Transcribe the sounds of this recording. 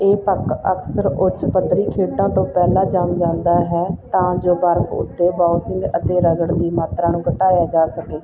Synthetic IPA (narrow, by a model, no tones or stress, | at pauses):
eːp̪əkə̰ksəɾʊt͡ʃpəd̪ɾiːkʰeːʈãːt̪õːpɛːlãːd͡ʒaːmd͡ʒãːnd̪aːɦɛːt̪ãːd͡ʒoːbəɾkʊ̰t̪ʰːeːbaːusɪ̃ŋɡət̪eːɾəɡəɽd̪iːmaːt̪ɾaːnũːkəʈaːjaːd͡ʒaːsəkeː